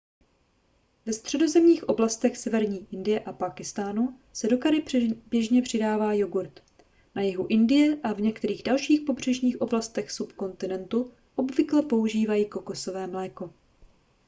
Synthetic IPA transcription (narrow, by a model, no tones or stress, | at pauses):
vɛst̪r̝̥ɛdo̞zɛmɲiːxʔoblast̪ɛxsɛvɛɾɲiːʔɪndɪjɛʔapaːkɪst̪aːnu | sɛdo̞kaɾɪbjɛʒɲɛpr̝̥ɪdaːvaːjoɡuɾt̪ | najɪɦuʔɪndɪjɛʔavɲɛkt̪ɛɾiːɣdalʃiːxpo̞br̝̥ɛʒɲiːxʔo̞blast̪ɛxsupko̞nt̪ɪnɛnt̪u | ʔo̞bvɪklɛpo̞uʒiːvajiːko̞ko̞so̞vɛːmlɛːko̞